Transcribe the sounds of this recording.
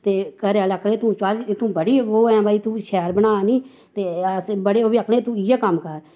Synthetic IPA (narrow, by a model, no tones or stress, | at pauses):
t̪eːkəɾealəkʰlẽːt̪ũːt͡ʃaːlet̪ũːbəɽiːoːɛ̃ːbaːiːt̪ũːʃɛːɾbənaːniː | t̪eːəsbəɽeːoːbiːəkʰlẽːt̪ũːɪjaːkəmkəɾ